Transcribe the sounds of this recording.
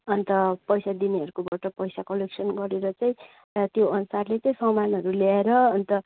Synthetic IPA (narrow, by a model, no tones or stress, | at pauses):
ʌnt̪ʌpʌjsad̪iniʌɾukobaʈʌpʌjsakʌleksʌnɡʌɾeɾʌt͡saĩ | t̪joʌnusarlet͡saĩsʌmanɦʌɾuljaeɾʌʌnt̪ʌ